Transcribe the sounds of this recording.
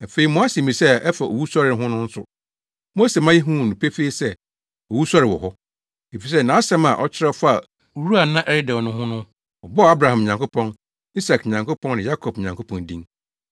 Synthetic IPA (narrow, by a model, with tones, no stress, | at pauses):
fe˨˦i˨mɔ̃˨˦a˦se˨mĩ˨sɛ˦ɛ˦fa˨ʔo̰˨wu˦sɔ˦ɾɪ˨˦ɦʊ̃˦nʊ̃˦n̩˦sʊ̰˨ | mo˦se˨mã˦je˦ɦũ˦˨nũ˨pʰe˦fe˦i˦sɛ˦˨ | ɔ˨wu˦sɔ˦ɾɪ˨wɔ̰˨ɦɔ˦ | e˨fi˨s̬ɛ˦nã˨˦sɛ̃˦ma̰˨ʔɔ˦t͡ɕʰɪ˦ɾɛ˦fa˦a˨˦ | ɾu˦a˨nã˦ʔɛ˦ɾɪ˦dɛ̃˨wnʊ̃˦hʊ̃˦nʊ̃˦ | ɔ˨bɔ˦˨a˦bɾa˨hã˨m˨ɲã˨ŋko˦pʰɔ̃˦n | i˦sa˨kɲã˨ŋko˦pʰɔ̃˦nɪ̃˨ja˦kʰɔ˨b̚ɲã˨ŋkʰo˦pʰɔ̃˨ndĩ˦ŋ